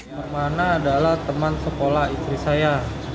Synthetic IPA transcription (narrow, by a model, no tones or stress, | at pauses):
ərmanaːdalaht̪əmansəkolaist̪ɾisaja